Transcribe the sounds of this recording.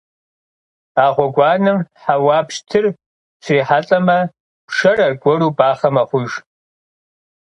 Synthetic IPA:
aːʁʷɔɡʷɑːnɨmħawaːpʃtʰɨr | sʷʰiːħaɬʼɐmɐ | pʃɐrɐrɡʷɔɾuːbʼaːχɐmɐχʷʊʒ

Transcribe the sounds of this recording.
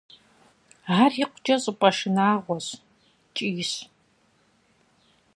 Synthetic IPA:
ariqʷʊd͡ʒɐɕʼɨpʼɐʂɨnaːʁʷɔɕ | t͡ʃʼiːɕ

